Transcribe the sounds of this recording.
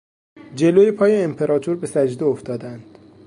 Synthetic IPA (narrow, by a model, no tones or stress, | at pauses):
d͡ʒe̞loːjepʰɒːjeːmpʰe̞ɾɒːt̪ʰuɾbe̞sæd͡ʒd̪eoft̪ɒːd̪ænd̪̥